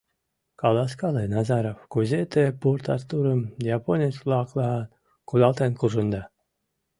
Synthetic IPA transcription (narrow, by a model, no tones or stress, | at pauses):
kɑlˠɑskɑlenɑzɑɾowkuzʲet̪epurt̪ɑrt̪uɾəmʲjaponʲislˠɑklˠɑ | kud̪ɑlˠt̪enkuʐɨnd̪ɑ